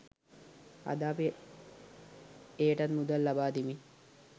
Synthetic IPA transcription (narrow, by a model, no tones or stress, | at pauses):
a̰d̪aːpi | eːʈɐnmud̪ɐlːabaːd̪imi